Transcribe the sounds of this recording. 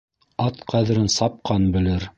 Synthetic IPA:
ɑt̪qʰæðɘ̆ɾɘnsɑp̚qʰɑnbɘ̆lɘɾ

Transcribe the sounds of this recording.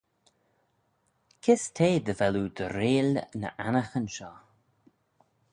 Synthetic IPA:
kʰɪstʰeːd̪əvɛlud̪əɾeːlnə̰ʔanəxənʃɔː

